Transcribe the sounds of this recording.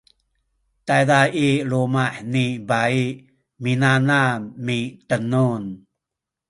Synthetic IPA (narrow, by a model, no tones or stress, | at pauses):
tajdaiɾumaħnibai | minanamitənun